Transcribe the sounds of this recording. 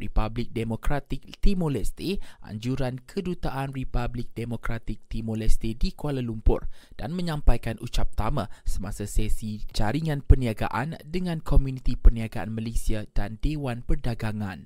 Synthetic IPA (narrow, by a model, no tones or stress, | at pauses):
ripablɪk̚demokɾat̪ɪk̚t̪imolɛst̪eʔa̰ɲd͡ʒuɾankʰədut̪aʔanripablɪk̚demokɾat̪ɪk̚t̪imolɛst̪edikualalumpʊ̰rd̥a̰nmə̃ɲãmpajkanut͡ʃap̚t̪amãsəmãsasɛsid͡ʒaɾiŋãnpəniaɡa̰ʔandəŋãnkʰomjunĩt̪ipərniaɡaʔanməlesiadandewanpərdaɡaŋãn